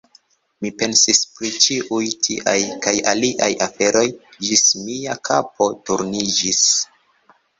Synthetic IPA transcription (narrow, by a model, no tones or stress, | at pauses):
mipe̞nsispɾit͡ʃiʔujtʰḭʔajkajaliʔajafe̞ɾo̞jd͡ʒismiakʰa̰po̞tuɾnid͡ʒis